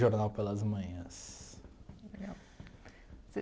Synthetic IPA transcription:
ʒoɾnawpelɐzmɐ̃j̃ɐ̃s | leɡaw | se

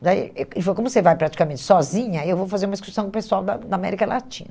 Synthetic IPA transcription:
d̪aḭeɪfojkõmʊsevajpɾat͡ʃi̥kamẽnt͡ʃɪ̥sɔzĩɲɐewvowfazeɾumɐd͡ʒiskusɐ̃w̃kʊ̃pesuawd̪ɐd̪ɐamɛ̰ɾikɐlʔa̰t͡ʃḭ̃nɐ

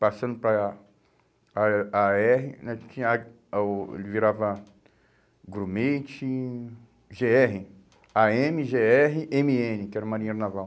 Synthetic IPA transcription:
pasɐ̃nd̪ʊpɾɐ | aɛɦɪnɛ̃t͡ʃĩɲɐa | ḛlɪviɾavɐ | ɡɾumejt͡ʃi | ʒeɛɦɪ | aẽmiʒeɛɦɪʔẽmiẽnɪkɪɛɾɐmaɾĩɲaɾnavaw

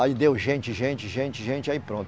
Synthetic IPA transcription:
aid̪ewʒẽnt͡ʃɪʒẽnt͡ʃɪʒẽnt͡ʃɪʒẽnt͡ʃɪaipɾõnt̪

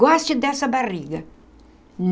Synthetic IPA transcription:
ɔst͡ʃɪd̪ɛsɐbariɡɐ | n

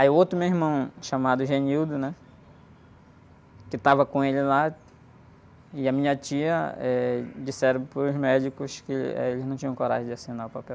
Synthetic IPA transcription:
aiuot̪ɾʊmeimɐ̃w̃ʃamad̪ʊʒeɲiwd̪ʊnɛ | kɪt̪avɐkõelɪla | ɪɐmĩɲɐt͡ʃiɐɛd͡ʒisɛɾɐ̃poɾʊzmɛd͡ʒikʊskɪ̰ɛ̰elɪznɐ̃w̃t͡ʃĩɲɐ̃koɾa̰ʒẽd͡ʒɪasĩnaɾʊpapɛw

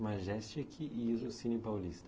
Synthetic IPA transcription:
maʒɛst͡ʃikʰiiizʊsinɪpawlist̪ɐ

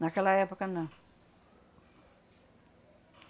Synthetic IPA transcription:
nakalajapakanːa

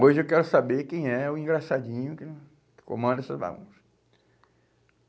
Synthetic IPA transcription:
oʒɪewkɛɾʊsabeɾkẽj̃ɛʊĩɡɾasad͡ʒĩɲʊkɪ | kɪ̥kõ̰mɐ̃nd̪ɐɛsɐzba̰ɡṵ̃s

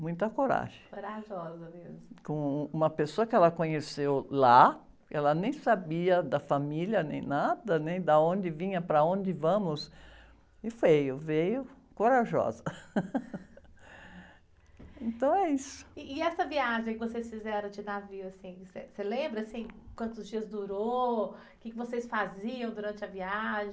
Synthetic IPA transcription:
mũj̃t̪ɐkoɾa̰ʒẽkoɾaʒɔzɐmezmʊkõũmɐpesoɐkɪɛlɐkõɲesewla | kɛlɐnẽj̃sabiɐd̪ɐfamiljɐnḛ̃j̃nad̪ɐnẽj̃d̪ɐõnd͡ʒɪvĩɲɐpɾɐõnd͡ʒɪvɐ̃mʊs | ɪfejʊvejʊ | koɾaʒɔ̰zɐ | ẽnt̪ɐ̃w̃ɛisʊ̥ɪɪɛsɐviaʒẽj̃kɪvosejsfizɛɾɐ̃d͡ʒɪnaviʊasĩj̃seselẽmbɾɐsĩkwɐ̃nt̪ʊzd͡ʒiɐzd̪uɾo | kɪkɪvosesfaziɐ̃w̃d̪uɾɐ̃nt͡ʃɪɐviaʒẽ

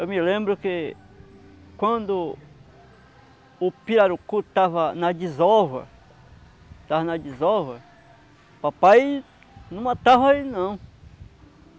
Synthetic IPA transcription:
ewmilẽmbɾʊke | kwɐ̃nd̪ʊ | piɾaɾukut̪avɐnɐd͡ʒizɔvɐ̰ | t̪avɐnad͡ʒizɔvɐ | papaj | nũmɐt̪avainɐ̃w̃

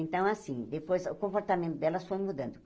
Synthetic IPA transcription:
ẽnt̪ɐ̃w̃asĩd̪epojzʊkõmpoɾt̪amẽnt̪ʊd̪ɛlɐsfojmud̪ɐ̃nd̪ʊ

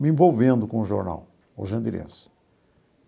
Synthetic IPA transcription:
mɪẽvowvẽnd̪ʊkõʊʒoɾna̰w | o̰ʒɐ̃nd̪iɾḛ̃s

